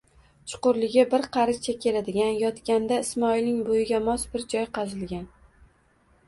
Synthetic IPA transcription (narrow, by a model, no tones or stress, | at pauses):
t͡ʃʰʊ̥qʊɾlɪɡʲɪbɪɾqʰɑɾɪzt͡ʃʰakʲʰe̞lad̪ɪɡʲanjɒt̪kʲand̪aɪsmɒilnɪŋbojɪɡʲamɒsbɪɾd͡ʒɒjqʰɑzɪlɡʲan